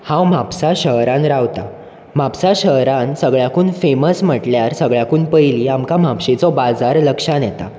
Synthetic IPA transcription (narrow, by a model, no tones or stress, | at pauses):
hãwmapsaɕəɦɾãnɾawt̪a | mapsaɕəɦɾansəɡɭjakuːnfeməsm̤əʈljaɾsəɡɭjakuːnpəjliːamkamapɕit͡sɔbad͡zaɾləkʂanjɛt̪a